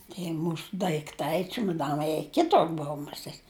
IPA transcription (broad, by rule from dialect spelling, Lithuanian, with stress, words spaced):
tʲiɛ ˈmuːsʊ dɐɪkˈtɐɪ t͡ʃʲʊmɐˈdɑːnɐɪ jiɛ ˈkʲɪtʊr ˈboːʊ mʊˈsʲeːtʲ